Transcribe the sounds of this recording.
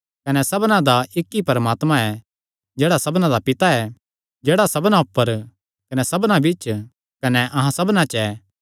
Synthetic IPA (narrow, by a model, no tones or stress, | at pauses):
kɐnɛsɐbnãd̪aɪkːipɐɾəmaːt̪mãɛ | d͡ʒɛːɽasɐbnãd̪apɪt̪aɛ | d͡ʒeːɽasɐbnãʊpːəɾ | kɐnɛsɐbnãbɪt͡ʃ | kɐnɛʔɐɦãsɐbnãt͡ʃɛː